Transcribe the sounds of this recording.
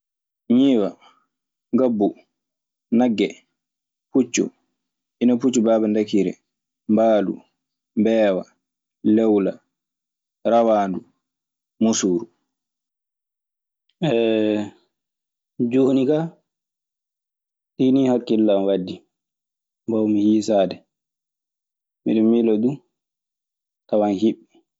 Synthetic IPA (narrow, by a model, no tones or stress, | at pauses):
ɲiːwa | ŋɡabːu | naɡːɛ | put͡ʃːṵ | ʔinaput͡ʃːubaːbandakiɾɛ̰ | mbaːlṵ | mbɛːwa̰ | lɛwla | ɾawaːndu | musuːɾu | ʔɛ | d͡ʒohnika | ɗinihakːilːamwadːi | mbawmihiːsaːdɛ | mḭɗimilɔdu | tawanhiɓːi